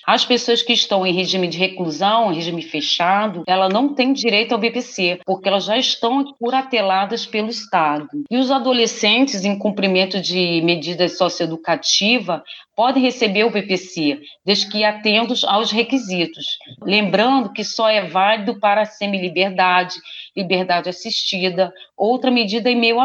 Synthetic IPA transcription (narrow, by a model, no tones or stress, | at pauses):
ɐspesoɐskɪːʃt̪ɐ̃w̃ẽj̃ɦeʒĩmɪd͡ʒɪɦekluzɐ̃w̃ẽɦeʒĩmɪɪfeʃad̪ʊɛlɐnɐ̃w̃t̪ẽj̃d͡ʒiɾejt̪ʊawbepesepoɾkɪɛlɐzʒaiʃt̪ɐ̃w̃kuɾat̪elad̪ɐspelʊiʃt̪ad̪ʊiʊzad̪olesẽnt͡ʃɪzẽj̃kũmpɾimẽnt̪ʊd͡ʒɪmed͡ʒid̪ɐsɔsjoed̪ukat͡ʃivɐpɔd̪ẽj̃ɦesebeɾʊbepese | d̪ezd͡ʒɪkɪiɾat̪ẽnt̪ʊzawsɦekizit̪ʊslẽmbɾɐ̃nd̪ʊkɪsɔɛvalid̪ʊpaɾɐsẽmilibeɾd̪ad͡ʒɪlibeɾd̪ad͡ʒɪasiʃt͡ʃid̪ɐowt̪ɾɐmed͡ʒid̪ɐɪmejua